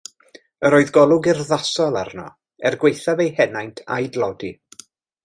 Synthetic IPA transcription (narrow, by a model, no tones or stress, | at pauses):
əɾoːɨðɡɔlˠʊɡɪrðasɔlˠa̰rnɔ | ɛrɡwejθavejhɛnajntʰa̰jdlˠɔdḭ